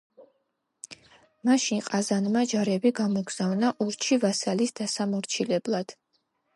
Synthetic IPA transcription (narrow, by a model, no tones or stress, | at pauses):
maʃinqʼazanmad͡ʒaɾɛbiɡamɔɡz̥avnaʔuɾt͡ʃʰivasalisd̪̥asamɔɾt͡ʃʰilɛblˠad̪̥